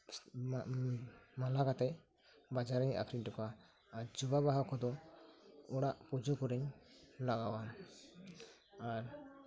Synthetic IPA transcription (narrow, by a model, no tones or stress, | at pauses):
malakat̪ɛ | bad͡ʒaɾɛɲa̰kʰɾiɲʈɔkaː | ɾd͡ʒubabaɦɔkɔd̪ɔ | ɔɽaʔpud͡ʒukɔɾɛɲlaɡawa | aɾ